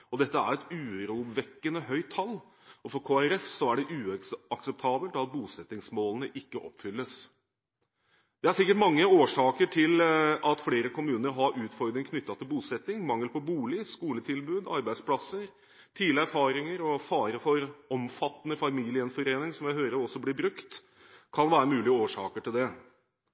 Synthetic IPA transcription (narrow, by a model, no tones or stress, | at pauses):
ɔd̪ɛt̪ːəæ̰ɾɛt̪ʉːɾuːbʋɛkːənəɦœʏt̪ʰːɑlː | ɔfɔɾkʰoːæɾɛfsɔæɖɛʔʉːɑksɛp̚t̪ʰɑːbəlt̪ɑt̪̚buːsɛt̪nɪŋsmoːlənəʔɪkːəʔɔ̰pːfʏlːəs | d̪̥ɛæɾʂɪkːəʈmɑŋːəoːʂɑːkəʈʰɪlɑt̪fleːɾəkʰʊmʉːnəɾɦɑɾʉːt̪fɔɾd̪ɾɪŋkʰnʏt̪ːɑt̪ʰɪlbuːsɛt̪nɪŋmɑŋːəlpʰɔbuːlɪskuːlət̪ʰɪlbʉːd̪ɑ̰ɾbæɪd̪spʰlɑsəɾ | t̪ʰiːlɪæɾfɑːɾɪŋəɾɔfɑːɾəfɔɾɔmfɑt̪ːənəfɑmilɪənfɔɾeːnɪŋsɔmjæɪhøːɾəɾɔsːɔblɪbɾʉkt̪ | kʰɑnʋæːɾəmʉːlɪɡəoːʂɑ̰ːkəʈʰɪld̪ɛ